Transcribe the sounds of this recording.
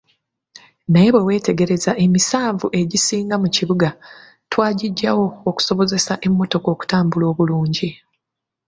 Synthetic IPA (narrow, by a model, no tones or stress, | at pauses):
naje̞βwe̞we̞ːte̞ɡe̞ɾe̞zaʔe̞misaːɱvuʔe̞ɟisiːŋɡamuciβuɡa | twaːɟiɟːawo̞ːku̥so̞βo̞ze̞saʔe̞mːo̞to̞ko̞ːku̥taːmbulo̞ːβuluːɲɟi